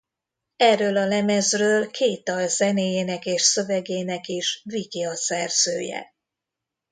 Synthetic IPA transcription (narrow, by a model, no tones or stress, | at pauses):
ɛrːøːlɒlɛmɛzrøːlkʰeːt̪ɒlzɛneːjeːnɛkeːʃsø̞vɛɡeːnɛkiʃvikiɒsɛrz̥ø̰ːjɛ̰